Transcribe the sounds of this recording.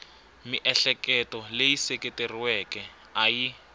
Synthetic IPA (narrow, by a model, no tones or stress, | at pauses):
miʔɛɬɛkɛtɔlejiseketeriwɛkɛ | aji